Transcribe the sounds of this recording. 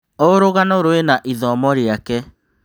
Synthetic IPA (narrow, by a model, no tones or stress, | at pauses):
oɾoɣanoɾowenaʔiðɔmɔɾiakɛ